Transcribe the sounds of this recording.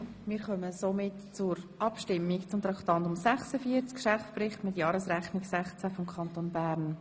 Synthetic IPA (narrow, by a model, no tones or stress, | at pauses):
mɪːɾχœməsomɪtt͡sʊɾʔɑpʃtɪmːikt͡sʊmt̪ɾɑkχt̪ɑntʊmsɛχsəfiət͡skʃɛft͡sprɪχtmɪtjɑːɾəsɾɛχnɪɡsɛχt͡sæfɔmkʰɑnt̪onbæːɾn